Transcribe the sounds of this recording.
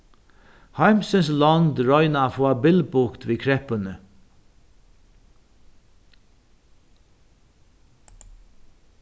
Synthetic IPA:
haɪmsənslɔnd̪ɹɔʏnafɔabɪlbʊkt̪ʋiːkʰɾɛpənə

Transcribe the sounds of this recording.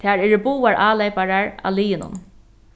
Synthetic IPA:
t̪ʰaːɹɛɾbuːaɹʔaːlejpaɹaɹa̰liːjɪnʊ̰n

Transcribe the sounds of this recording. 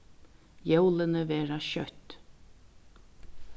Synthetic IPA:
jɛwlˠənəvɛːɹaʃœt̪

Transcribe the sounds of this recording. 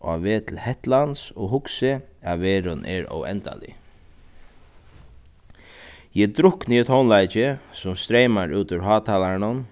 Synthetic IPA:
aʋeːt̪ʰɪlhɛht̪lansɔɣɦʊksɪaʋeːɾʊnʔɛ̰ɾɔ̰wɛ̰nt̪a̰lɪ̰ | jɛt̪ɾʊhkniːɛt̪hɔwnlajt͡ʃɪsʊmst̪ɾejmaɾuːt̪ʊɾɦɑːt̪ʰalaɳʊn

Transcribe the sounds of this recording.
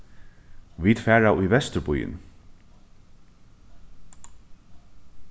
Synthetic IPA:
viːd̪fæːɹaʊjvɛst̪ɾbʊjɪ̰n

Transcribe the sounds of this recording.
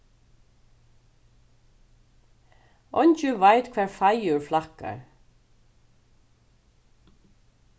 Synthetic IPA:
ɔɲt͡ʃʏvajt̪kʰvɛːɹfajʏɹflahka̰ɹ

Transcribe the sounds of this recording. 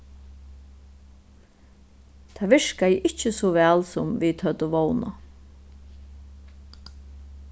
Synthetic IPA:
t̪ʰaːʋɪʂkajɪʔɪt͡ʃəsɔʋɛːlsɔmvit̪ʰœt̪ʊʋɔwna̰

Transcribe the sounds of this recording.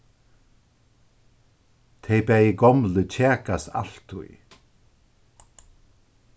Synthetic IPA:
t̪ʰejbɛjɪɡɔmlət͡ɕʰɛːkast̪a̰l̥t̪ʰʊ̰j

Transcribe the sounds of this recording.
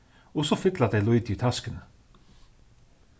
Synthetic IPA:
ɔsɔfɪklɑd̪eɪlɔɪd̪iːt̪ʰɑskənə

